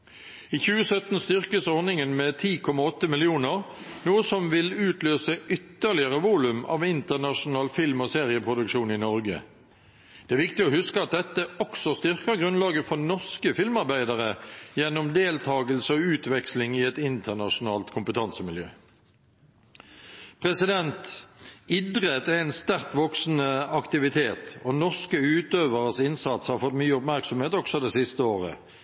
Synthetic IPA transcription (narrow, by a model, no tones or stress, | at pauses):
iːçʉːəsœt̪n̩st̪ʏʁkəsɔʁnɪŋənmeːt̪ʰiːkʰɔmɑɔt̪ːəmɪlɪuːnəʁnuːəsɔmʋɪlʉːt̪ʰløːsəʔʏt̪ːəʁlɪəʁəʋuːlʉmɑ̰ːʋɪnt̪ənɑʂʊnɑːlfɪlmoːseːʁɪəpʰʁʊd̪ʉkʃuːnɪnɔʁɡə̰ | d̪̥ɛæʁʋɪkt̪ɪoːhʉskəɑt̪̚d̪ɛt̪ːəɔksɔst̪ʏʁkəʁɡʁʉnlɑːɡəfɔʁnɔʁskəfɪlmɑʁbæɪd̪əʁəjɛnːɔmd̪eːlt̪ʰɑːɡəlsəɔʉːt̪ʋɛkslɪŋɪɛt̪ɪnt̪ʰəʁnɑʂʊnɑːlt̪kʰʊmpət̪ʰɑnsəmɪljøː | pʰʁɛsɪd̪ɛnt̪ɪd̪ʁɛt̪ɛæɪnst̪æʁt̪ʋɔksnəɑkt̪ɪʋɪt̪ʰeːt̪ɔnɔʁskəʉːt̪øːʋəʁəsɪnsɑt̪shɑʁfɔt̪myːəʊpmæʁksɔmheːt̪ɔksɔd̪ɛsɪst̪əoːʁə̰